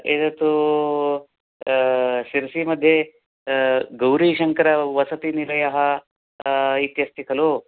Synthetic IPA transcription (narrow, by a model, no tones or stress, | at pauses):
et̪ɐt̪u | siɾsimɐd̪ʱje | ɡɐwɾiʃɐŋkɐɾɐʋɐsɐt̪inilɐjɐɦɐ | it̪jɐst̪ikʰɐlo